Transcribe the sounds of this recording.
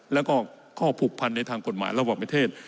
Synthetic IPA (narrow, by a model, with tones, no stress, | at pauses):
lɛ˦˥wkɔː˥˩ | kʰɔː˥˩pʰuː˨˩k̚pʰa˧nːa˧jt̪ʰaː˧ŋko˨˩t̪̚ma̰ː˩˦jɾa˧waː˨˩ŋpɾa˧˥t̪ʰeː˥˩t̪̚